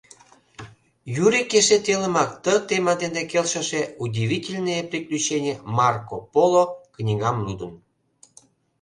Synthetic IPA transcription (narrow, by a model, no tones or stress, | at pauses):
jyɾikeʃet̪eləmɑkt̪ət̪emɑd̪end̪ekelʃə̆ʃeudʲivʲitʲelʲnəjepriklʲut͡ɕenʲemɑrkopoloknʲiɣɑmlud̪ən